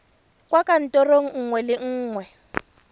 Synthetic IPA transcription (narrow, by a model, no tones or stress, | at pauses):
kʼwakʼan̩tʼɔroŋ̩ŋ̩ŋwɛlɪŋ̩ːŋwɛ